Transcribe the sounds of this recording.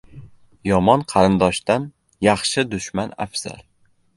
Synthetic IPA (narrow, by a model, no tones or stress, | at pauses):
jɒmɒnqʰɑɾɪnd̪ɒʃt̪an | jɑχʃɪd̪ʊʃmana̰fz̥a̰ɾ